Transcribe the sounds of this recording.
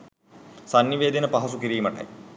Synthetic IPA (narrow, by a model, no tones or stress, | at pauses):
sɐnjiʋeːd̪inɐpɐɦɐsukiɾijmɐʈɐ̰j